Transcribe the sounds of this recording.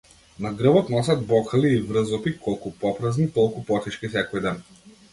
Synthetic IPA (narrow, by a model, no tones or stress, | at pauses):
naɡɾɤbɔt̪nɔs̬ʲad̪̚bɔkʰaliːvɾɤzɔpikʰɔlˠkupɔpɾaznik̪ɔlˠkupɔt̪it͡ʃkisɛkɔjd̪ɛn